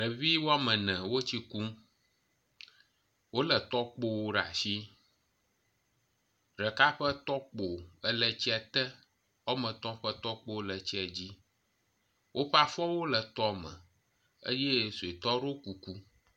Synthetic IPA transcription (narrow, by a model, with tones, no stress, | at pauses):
ɖə˨vi˦wo˦a˦mə̃˨nɛ̃˨wo˦t͡ɕi˦ku˦m | wo˦lə˨t̪ɔ˦k͡po˦wo˦ɖa̰˨si˦ | ɖə˨ka˦ɸə˦t̪ɔ˦k͡po˨ə˦lə˨t͡ɕi˦ɛ˨t̪ə˦ | ɔ˦mə̃˨t̪ɔ̃˦ɸə˦t̪ɔ˦k͡po˦wlə˨t͡ɕɛ˨d͡ʑi˦ | wʔo˦ɸa˦fɔ˦wo˦lə˨t̪ɔ˦mə̰̃˨ | ə̰˦je˦so˨e˨t̪ɔ˦ɖo˦ku˨ku˦